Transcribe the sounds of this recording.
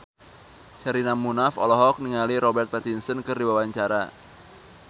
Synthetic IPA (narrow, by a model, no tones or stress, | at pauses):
t͡ʃaɾinamunafɔ̰lɔɦɔk̚niŋaliɾɔbɛrt̪̚pɛt̪insənkɨrdiwawaɲt͡ʃaɾa